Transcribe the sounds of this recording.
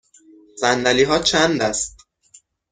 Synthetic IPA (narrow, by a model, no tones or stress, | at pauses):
zænd̪æliːɦɒːt͡ʃʰænd̪æst̪̚